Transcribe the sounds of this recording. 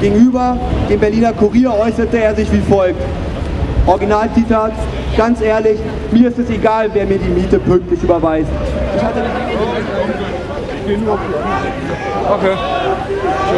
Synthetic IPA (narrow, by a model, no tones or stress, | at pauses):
ɡ̥eːɡŋ̩yːbɐd̥eːmbɛɐliːnɐkʰuʁiːɐɔʏsɐtəeːɐzɪçv̥iːfɔlk̚t | ʔɔɐɡinaːlt͡sitʰaːt | ɡ̥ant͡sʔeːɐlɪç | miːɐɪstɛseɡaːlveːɐmiːɐdiːmiːtəpʰʏŋk̚tlɪçʔyːbɐvaɪstʔɪçhatənɔ | ɪçɡ̥eːnufi | okʰeː